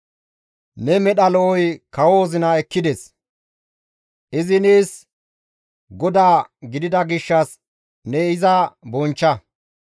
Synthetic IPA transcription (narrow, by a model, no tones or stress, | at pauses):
nɛmɛɗɐlɔɔjkɐwo̞ːzɪnɐɛkːɪd̪ɛs | ʔɪzɪneːs | ɡɔd̪aːɡɪd̪ɪd̪ɐɡɪʃːɐs | nɛɪzɐbɔnt͡ʃːɐ